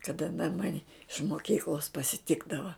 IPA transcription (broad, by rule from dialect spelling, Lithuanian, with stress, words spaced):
kɐˈdɐ ɐn ˈmɑːnʲɪ ɪʃ moːˈkʲiːklˠoːs pɐsʲɪˈtʲɪɡdɐʋɐ